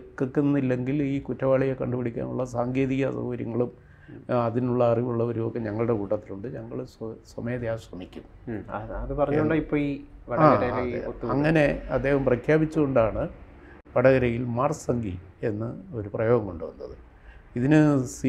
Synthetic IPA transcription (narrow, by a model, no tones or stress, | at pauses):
kːɐkːenːilːe̞ŋɡiliːkutːɐʋaːɭijɐkɐɳɖupɐɽikʲːa̰ːnṵɭːɐsaːŋɡe̞ːðiɣɐsɐ̰hʋɐɾjɐ̰ŋːɐɭum | ɐðinuɭːɐːriʋuɭːɐoɾumokːe̞ɲɐŋːɐɭuɽe̞kuːʈːɐt̪ːiluɳɖɨɲɐŋːɐɭsswɐmeːðjaːsʋɐmikʲːum | ɐðɨpɐrɐɲːuoɳɖɐipːoːiʋɐɽaːɾɐjiot̪ːuɐŋːɐne̞ɐd̪ːe̞ːhɐmprɐkʰjaːbit͡ɕːuɣoɳɖaːɳɨ | pɐɽɐɣɐɾɐjilmaːrsɐŋɡḭ | e̞nːɨo̞ɾuprɐjo̞ːɣɐmkoɳɖɨʋɐ̰nːɐ̰ðɨ | iðinɨs